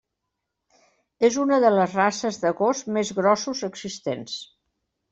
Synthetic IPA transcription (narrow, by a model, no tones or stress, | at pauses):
ezunəðələzrasəzðəɣozmezɣɾɔsuzəɡzist̪ens